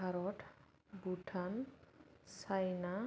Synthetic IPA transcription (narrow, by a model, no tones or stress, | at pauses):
aɾɔʈʰ | buʈʰan | sajna